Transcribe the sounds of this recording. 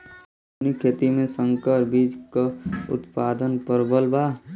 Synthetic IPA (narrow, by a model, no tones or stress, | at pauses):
nikʰeːt̪imẽsə̃ŋkəɾbiːd͡ʒkaʊ̰t̪paːd̪ənpəɾbəlbaː